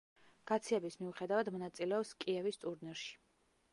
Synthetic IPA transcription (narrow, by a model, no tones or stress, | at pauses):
ɡ̥at̪sʰiɛbismiuχɛd̪avad̪mɔnat̪sʼilɛɔpskʼiɛvist̪ʼuɾnɛɾʃi̥